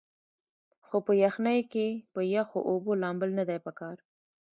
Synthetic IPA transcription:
xopəjaxnajkepəjaxoʔobolɑmbəlnad̪ajpəkɑɾ

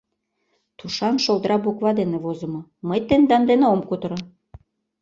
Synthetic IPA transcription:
t̪uʃɑnʃolˠd̪ɾɑbukβɑd̪enĕvozə̆mɤ̆məjt̪end̪ɑnd̪eneomkut̪əɾɤ

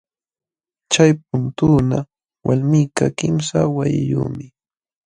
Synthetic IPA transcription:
t͡ʃajp̚ʊnt̪uːna | wʔalmiːkakɪmsawajɪjṵːmɪ

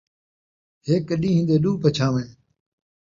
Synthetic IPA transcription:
ɦeːkəɗĩːɦɪ̃ːnd̪eːɗũːpət͡ʃʰaːʋẽːn

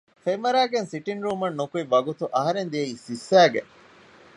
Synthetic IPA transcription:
femʋɐɾæːɡensiʈinɾuːmɐnːukuiʋːɐɡut̪uʔɐɦɐɾend̪iɐiːsisːæːɡe

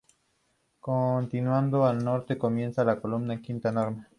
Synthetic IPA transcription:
kont̪inwand̪oalno̞ɾt̪ekomje̞nsalakolumnaeŋkint̪aenoɾme

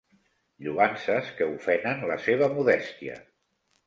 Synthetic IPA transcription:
ʎuansəskəufɛnənlə̰seβ̞əmuðɛst̪iə̰

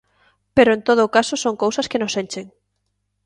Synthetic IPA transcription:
peɾoẽnt̪oðoːkasosoŋkowsɐskenosent͡ʃeŋ

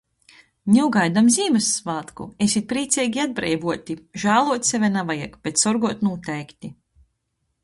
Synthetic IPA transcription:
nʲɛwɡajd̪amzʲiːmɨsːvaːt̪kṵesʲit̪̚pɾiːt̪sʲɛjɡʲiad̪̚bɾɛ̰jbuɔt̪ʲiʒaːlˠuɔt̪sʲɛvʲɛnavajakb̥et̪sɔɾɡuɔt̪nuːt̪ɛjkt̪ʲi

